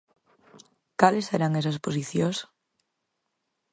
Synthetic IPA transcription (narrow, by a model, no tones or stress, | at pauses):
kaleseɾaŋɛsɐspos̬iθjos